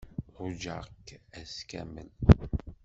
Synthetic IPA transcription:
ʁʊd͡ʒə̰ʁkːæskæ̰mən

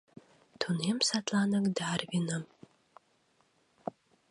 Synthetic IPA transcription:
t̪ʰunemsat̪ʰlanɨkd̪aːrvinɨm

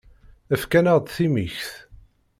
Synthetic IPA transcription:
æfkænaʁd̪θimiçθ

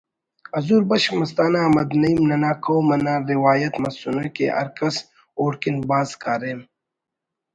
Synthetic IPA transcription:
ɐzuːɾbɐʃmɐs̬t̪aːnaɐmɐd̪nɐimnɐnaːkʰowmɐnaːɾiwaːjɐt̪mɐsunokḛʔɐ̰ɾkɐs | oːɽkinbaːzkaːɾeːm

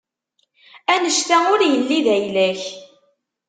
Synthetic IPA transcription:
ænəʃt̪æʊɾjəlːiðæjlæç

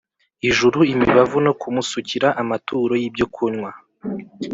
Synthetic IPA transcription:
iʒuɾuimiβavuno̞kumusuciɾaʔamatʰuːɾo̞jibɟo̞kʰuɲŋwa

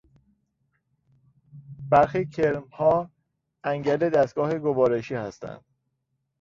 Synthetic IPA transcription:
b̥æɾxiːcʰeɾmhɒː | æŋɟæled̪æst̪̚ɡ̥ɒːheɡovɒːɾeʃiːhæst̪ʰæ̰nd̪̥

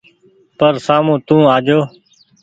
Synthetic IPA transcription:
pəɾsaːmũːt̪ũːaːd͡ʒoː

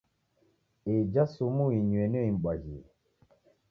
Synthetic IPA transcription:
ed͡ʒasumuiɲwɛnoim̩ɓad͡ʒi

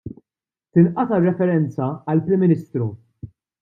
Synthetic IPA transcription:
t̪ɪnʔɐt̪ɐrːɛfɛɾɛnt͡sɐɐlpɾɪmːɪnɪːst̪ɾu

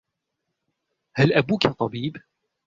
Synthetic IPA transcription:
halʔabuːkat̪ˤɑbiːb

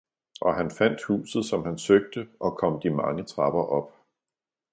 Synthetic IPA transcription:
ʔɒ̽ɦænfæn̰d̥hṵːsð̩ˠsɒ̽mhænsøɡ̥̚d̥əʔɒ̽kʰɒ̽m̰d̥imɑ̈ŋət͡sʰʁɑ̈b̥ɐʔɒ̽b̥

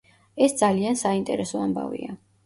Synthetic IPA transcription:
ɛsd̪zaliansaint̪ʼɛɾɛsɔamba̰vḭa

